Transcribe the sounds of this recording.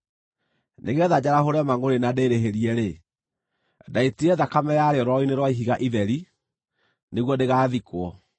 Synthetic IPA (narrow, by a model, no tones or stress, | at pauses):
nʔeɣɛðad͡ʑaɾahoɾɛmaŋoɾenadeɾeɦeɾiɛɾe | daitiɛðakamɛjaɾeɾɔineɾwaiɦiɣaʔiðɛɾi | neɣwɔdeɣaːðikwɔ